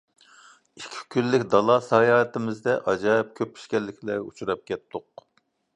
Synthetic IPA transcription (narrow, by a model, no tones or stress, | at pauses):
ikʲʰːi̥kʲylːɪkʲd̪ɑlˠɑsɑːjɑːt̪ɪmɪzd̪ɛʔɑd͡ʒɑːip̚kʲʰøpʰːi̥ʃkʲɛlːɪkʲʰlɛṵt͡ʃʰuɾɑp̚kʲɛt̪ːʊq̚